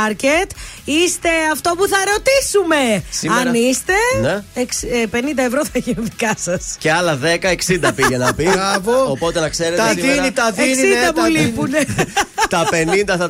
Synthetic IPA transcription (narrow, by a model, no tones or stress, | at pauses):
ɾcet̪ist̪e̞ɐft̪o̞puθɐɾo̞t̪isume̞siɐmɾnist̪e̞neekspe̞nind̪ɐevɾo̞θɐiçineðikɐsɐsceɐlɐðe̞kɐe̞ksind̪piʝenɐpiɐvoopo̞t̪enɐkse̞ɾet̪ɐinit̪ɐðeiknsind̪ɐpulipunet̪ɐpe̞nind̪ɐθɐ